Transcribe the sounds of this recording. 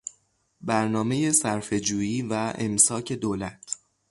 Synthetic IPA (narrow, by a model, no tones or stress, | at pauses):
bæɾnɒːme̞je̞sæɾfe̞d͡ʒuːjiːvæʔḛmsɒːcʰe̞d̪oːlæt̪ʰ